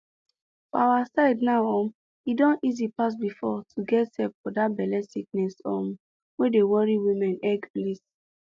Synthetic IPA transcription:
fɔawasaɪdnaʊɔ̃m | idɔ̃nizipas̬bifɔtʰuɡɛtsɛpfɔdat̚bɛlɛsik̚nɛsɔ̰̃m | wedewɔɹiwĩmɛ̃nɛɡplis

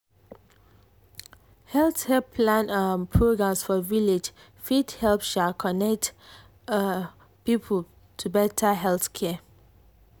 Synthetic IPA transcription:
hɛlθkɛpʰlãnapʰɹoɡɹãmsfɔviled͡ʒ | fidhɛlpʃalkʰɔnɛk̚t | pipʰəl | tʰubɛtʰəɦɛlθkʰɛ

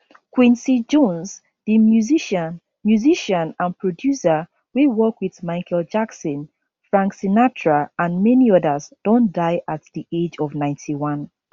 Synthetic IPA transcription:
kwĩnsid͡ʒɔ̃nz | ðimjuziʃə | mjuziʃə̃nãnpɹɔdjusə | wewɔkwiðmaɪkʰɛld͡ʒaksɔ̃n | fɹãŋksinatʰɹaãnmɛniɔðəzd̥ɔ̃ndaɪʔatðiʔed͡ʒɔvnãɪ̃ntʰiwʌ̃n

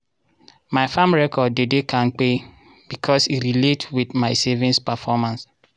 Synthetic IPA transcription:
maɪfãmɹɛkɔdːedekʰãnk͡pe | b̥ikʰɔsiɾiletwidmaɪsevĩnspɛfɔmãns

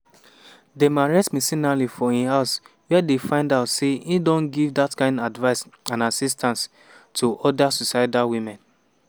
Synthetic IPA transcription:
demaɹɛsmisĩnalifɔĩhaʊs | wɛdefãɪ̃ndaʊtseidõnɡivdatkãɪ̃ndadvaɪsãnasistʰãns | tʰuʔɔdasusaɪdawimɛ̃n

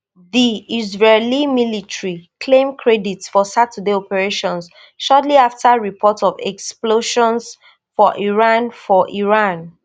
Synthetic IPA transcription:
ðiizɹelimilitɹikʰlẽmkʰɹɛditsfɔsatʰudeɔpɛɹeʃɔ̃ns | ʃɔtliaftaɹipʰɔtɔvɛ̰ksploʃɔ̃ns | fɔʔiɹãnfɔʔiɹãn

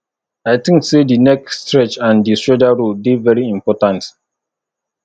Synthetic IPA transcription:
ajtĩŋksedinɛkstɹɛt͡ʃãndistɹɔd͡ʒaɹulbivɛɹiĩmpɔtãnt

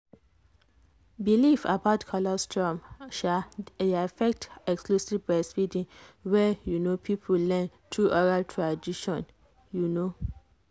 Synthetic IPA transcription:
bilifa̰baʊtkʰɔlɔstʰɹɔ̃mʃaafɛk̚tɛksklusivbɹɛsfidĩŋwɛjunopʰipʰulɛ̃n | tʰɹuʔɔɹaltʰɹadiʃɔ̃n | juno

